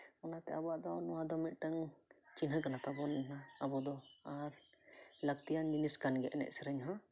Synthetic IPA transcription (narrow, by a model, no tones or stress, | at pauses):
ɔnat̪ɛabɔaʔd̪ɔnɔwad̪ɔmit̪̚ˀʈaŋt͡ʃinɦəkanat̪abɔnnaabɔd̪ɔaɾ | lək̚t̪ijanminiskanɡɛʔɛnɛ̰ʔ̚sɛɾɛɲɦɔ̃